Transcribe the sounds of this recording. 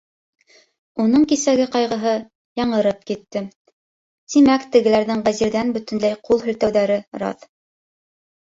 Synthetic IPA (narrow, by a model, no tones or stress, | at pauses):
unɤɴkisæɡɘqɑjʁɤ̆ɦɤ | jɑɴɤ̆ɾɤp̚kit̪ːɘ | t̪imækt̪ɘ̆ɡɘ̆læɾðɘŋʁæziɾðænbɵ̆t̪ɘ̆nlæjqulˠɦɵ̆lt̪æwðæɾɘɾɑ̰ð